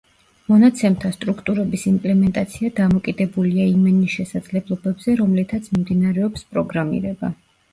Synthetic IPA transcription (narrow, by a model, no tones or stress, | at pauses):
mɔnat̪sʰɛmt̪ʰast̪ʼɾukʰt̪ʼuɾɛbisimpʼlɛmɛnt̪ʼat̪sʰiad̪amɔkʼid̪ɛbuliaimɛniʃɛsad̪zlɛblˠɔbɛbz̥ɛɾɔmlɛt̪ʰat̪sʰmimd̪inaɾɛɔpspʼɾɔɡɾamḭɾɛba̰